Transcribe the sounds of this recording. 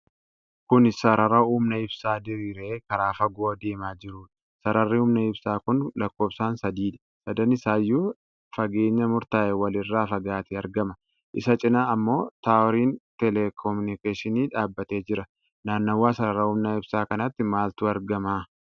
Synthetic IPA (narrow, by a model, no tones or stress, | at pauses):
kʊnɪsɐɾɐɾɐuːmnɐɪbsaːd̪ɪɾiːɾeːkɐɾaːfɐɡoːd̪eːmaːd͡ʒɪɾuːᶑɐ | sɐɾɐrːiuːmnɐɪbsaːkʊnlɐkːo̞ːbsaːnsɐd̪iːᶑ̪ɐ̥ | sɐd̪ɐnɪsaːjːuː | fɐɡe̞ːɲːɐmʊɾt̪aːʔɛwɐlɪrːaːfɐɡaːt̪ɪɐɾɡɐmɐ | ʔɪ̰sɐt͡ʃʼɪnaːɐmːo̞ːt̪aːɔɾiːnt̪ɛlɛkʰɔmʊnɪkeːʃɪniːᶑaːbːɐt̪e̞ːd͡ʒɪɾɐ | naːnːɐwːaːsɐɾɐɾɐuːmnɐɪb̥saːkɐnɐt̪ːɪmaːlt̪uːɐɾɡɐmaː